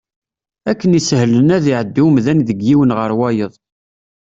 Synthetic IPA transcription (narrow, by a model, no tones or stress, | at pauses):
ækːənisəhlənæðiʕəd̪ːimðænðəɡːiwənʁəɾˤwæjəðˤ